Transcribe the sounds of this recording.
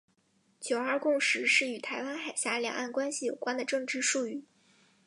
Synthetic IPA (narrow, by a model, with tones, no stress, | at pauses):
t͡ɕjo˨˩ʊɐ˞˥˧kʊ˥˩˧ŋʂɻ̩˧˥ʂɻ̩˥˩y˨˩t̪ʰa˧˥ɪwa˥nxa˨˩ɪɕja˧˥ljɑ̰˨˩ŋʔa˥˩nkwa˥nɕi˨jo˨˩ʊkwa˥nd̪ə˨ʈ͡ʂɤ˥˧ŋʈ͡ʂɻ̩˥˧ʂu˥˧y˥˩